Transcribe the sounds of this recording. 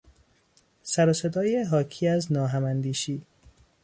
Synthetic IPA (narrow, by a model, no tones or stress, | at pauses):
sæɾose̞d̪ɒːjeɦɒːkʰiːæznɒːɦæmænd̪iːʃiː